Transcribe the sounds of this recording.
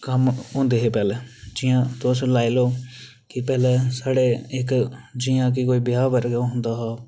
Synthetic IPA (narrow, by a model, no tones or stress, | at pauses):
kəmɦõːnd̪eːɦeːpɛːlɛːd͡ʒɪːãːt̪oslaːiloː | kɪpɛːlɛːsaːɽeːɪkd͡ʒijãːk̬ɪkoːiːbɪjaːbəɾɡoɦʊ̃nd̪aːɦaː